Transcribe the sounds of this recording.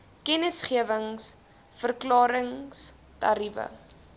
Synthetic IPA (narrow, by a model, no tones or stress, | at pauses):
kɛnəsχiəvəŋs | fərklɑːɾəŋs | tɐ̰ɾifə̰